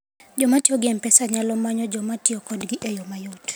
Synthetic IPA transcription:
d͡ʒɔmatiɔɡɪɛmpɛsaɲalɔmaɲɔd͡ʒɔmatiɔkɔdɡiʔejomajot

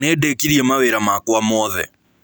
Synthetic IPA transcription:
nedekiɾiɛmaweɾamakwamɔðɛ̰

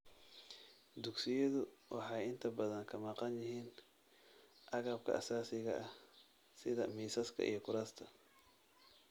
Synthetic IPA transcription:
d̪ʊɡsɪjɐðʊwʔɑħɑjɪnt̪ʰɐbɐðɐŋkʰɐmɑqɑnjɪɦiːn | ʔɑɣɐb̚kʰɐ̰ʔɐsaːsɪɣɐʔɐ | sɪðɐmiːsɐskʰɐ̰ʔḭjɞkʊɾast̪ʰɐ

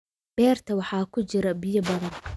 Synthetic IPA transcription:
b̥ɛːrt̪ʰɐwɑħɑːkʰʊt͡ʃɪɾɐbɪjɐbɐðɐn

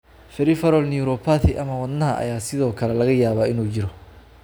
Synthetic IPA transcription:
fɛɾɪfɐɾɔlnɪuɾɔpʰat̪ʰɪʔɐmɐwɐd̪nɐɦɐʔɐ̰jaːsɪðɔːkʰɐlɛlɐɣɐjaːβaːɪnuːt͡ʃɪɾɔ

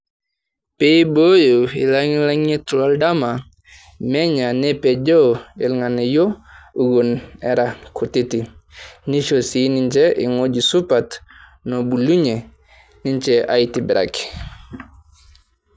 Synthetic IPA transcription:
pebojoḭlaŋilaŋetulaldama | mɛɲanɛped͡ʒoḭlŋanejouɡunɛɾakʰutitiniʃosinint͡ʃɛḭŋod͡ʒisupat | nobuluɲe | niɲt͡ʃɛʔa̰itibiɾa̰ki̥

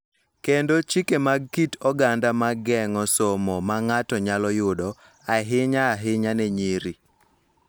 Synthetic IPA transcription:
kendot͡ʃikemaɡ̚kitɔɡandamaɡɛŋɔsomɔmaŋatɔɲalɔjʊdɔ | aɦɪɲaːɦɪɲanɛɲiɾi

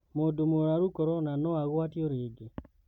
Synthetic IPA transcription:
modomoɾaɾukɔɾɔnanɔaɣwatjɔɾɪɡɪ

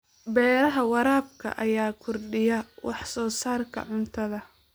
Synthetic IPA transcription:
bɛːɾɐɦɐwɑɾaːb̚kʰɐ̰ʔɐjaːkʰʊrɖɪjɐwɑħsɔːsaːrkʰɐ̰ʕʊnt̪ʰɐðɐ

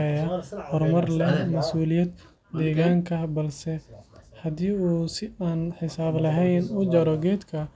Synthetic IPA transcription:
ɛjɐhɔrmɐrlɛmɐsuːlɪjɐd̪ː | ɛːɣaːŋkʰɐbɐlsɛhɐd̪iːuːsɪaːnħɪsaːblɐɦɛjnʊd͡ʒɐɾɔɡɛːd̪kʰɐ

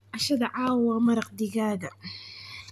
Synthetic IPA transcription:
ʔaʃad̪ʕaːwamɑɾˤɑq̚d̪ɪɡaːd̪a

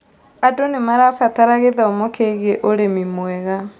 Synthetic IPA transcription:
adonemaɾaːfataɾaɣeðaomɔkeɣeʔoɾemimwɛɣa

